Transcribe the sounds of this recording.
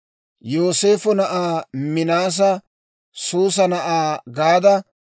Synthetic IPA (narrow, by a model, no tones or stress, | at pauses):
joːse̞ːfɔnɐʔaːmɪnaːs̬ɐ | suːs̬ɐnɐʔaːɡaːd̪ɐ